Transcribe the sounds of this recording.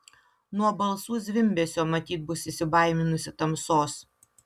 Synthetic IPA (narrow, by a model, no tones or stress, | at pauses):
nuɔbɐlˠsuːzʲʋʲɪmʲbʲɛsʲoːmɐt̪ʲiːt̪̚bʊsɪsʲɪbɐˑɪmʲɪnʊsʲɪt̪ɐmsoːs